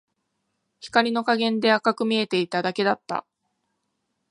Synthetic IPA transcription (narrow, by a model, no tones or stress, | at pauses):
çi̥kaɾʲino̞kaɡẽ̞nd̪e̞akakɯ̟mʲie̞t̪e̞it̪ad̪ake̞d̪at̪ːa̰